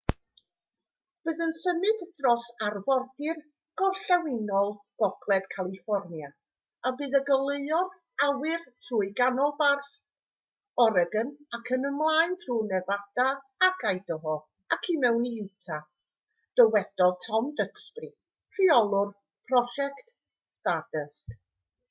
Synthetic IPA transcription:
b̥ɨːðənsəmɨdd̥rɔsarvɔrdɪr | ɡ̥ɔɬawɪnɔlˠɡ̥ɔɡlˠɛd̥kʰalˠifɔrnja | abɨːðəɡəlˠəɨɔr | awɪrtʰruːɨjɡanɔlˠbarθ | ɔɾəɡənakʰənəmlˠajntʰruːnɛðad̥aakʰajdəɦɔ | akʰimɛwniɪwtʰa | d̥əwɛd̥ɔtʰɔmdəksprɪ | pʰriɔlˠʊr | pʰrɔʃɛkt | stadəsk

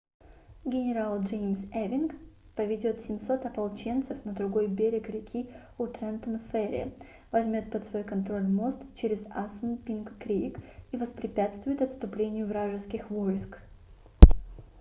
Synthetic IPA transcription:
ɡʲɪnʲɪɾalˠʐemʲsɛvʲɪnk | pɐvʲɪdʲo̞t̪sʲɪmʲso̞t̪ɐpɐlˠt͡ɕent̪sɨfnəd̪ɾʊɡo̞jbʲeɾʲɪkɾʲɪkʲʰi | ʊt̪ɾɛnt̪ənfɛɾʲɪ̰ə̰ | vɐzʲmʲo̞t̪̚pət̪svo̞jkɐnt̪ɾo̞lʲmo̞st̪t͡ɕeɾʲɪzasʊnpʲinkkːɾʲeɪkivəspɾʲɪpʲat̪st̪vʊjɪt̪ɐt̪st̪ʊplʲenʲɪjʊvɾaʐɨskʲɪxvo̞jsk

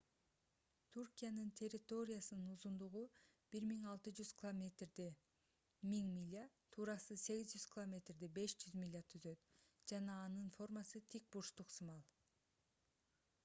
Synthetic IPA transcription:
t̪ʰurkʲijanɯnt̪ʲʰe̞ɾʲːɪt̪o̞ɾʲɪjasɯnɯnuzund̪uʁu | b̥iɾmiŋɑlˠt̪ɯd͡ʒyz̥kʰɪlˠomʲet̪rd̪i | miŋmʲilʲːa | t̪ʰuːɾɑsɯse̞ɡʲizd͡ʒyz̥kʲʰɪlˠomʲe̞t̪rd̪ibe̞ʃd͡ʒyzmʲilʲːat̪ʰyzø̞t̪d͡ʒɑnɑːnɯnfo̞rmɑsɯt̪ʰik̚buʃt̪uqsɯmɑlˠ

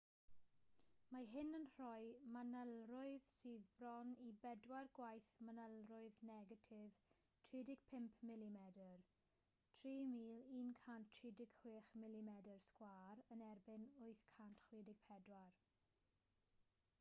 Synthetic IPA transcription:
maɦɪnənr̥ɔɨmanəlˠrʊɨðsiːðbrɔnibɛdwarɡwajθmanəlˠrʊɨðnɛɡatʰɪv | tʰridɪɡ̥̚pʰɪmpʰmɪlimɛdər | tʰriːmiːlˠiːnkʰanttʰridɪɡ̥χw̥ɪːχmɪlimɛdərskwaːɾənɛrbɪnʊɨθkʰantχwiːdɪɡ̥̚pʰɛdwar

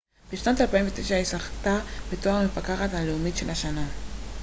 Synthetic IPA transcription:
b̥eʃnotalpaiɱvet̪eʃaisaχtabetoaχmefakaχathaleumitʃelhaʃana

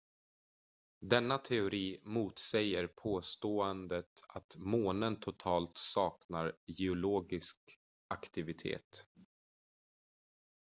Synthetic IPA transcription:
d̪ɛnːat̪ʰɛʊɾiːmuːt̪sɛjəɾpʰoːst̪oːɛnd̪ət̪at̪moːnənt̪ʰʊt̪ʰɑːlt̪sɑːknaɾjɛʊloːɡɪsk | ʔakt̪ɪvɪt̪ʰḛːt̪

